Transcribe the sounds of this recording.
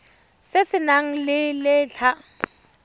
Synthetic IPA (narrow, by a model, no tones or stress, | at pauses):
sɪsɪnaŋ̩lɪlɪːt͡ɬʰa